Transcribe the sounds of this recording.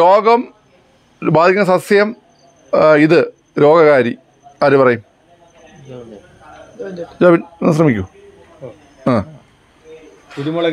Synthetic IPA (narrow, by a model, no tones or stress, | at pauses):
ɾoːɡɐm | baːd̪ʱikʲːunɐsɐsjɐm | iðɨ | ɾo̞ːɡɐɣaːɾi | ɐðupɐrɐjum | d͡ʑaːbinnɐs̬rɐmikʲːu | aː | uðimɐɐ